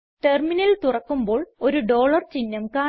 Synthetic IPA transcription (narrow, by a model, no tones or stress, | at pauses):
ʈerminɐlt̪urɐkːumbo̞ːɭo̞ɾuɖo̞ːɭɐrt͡ɕinːɐmkaː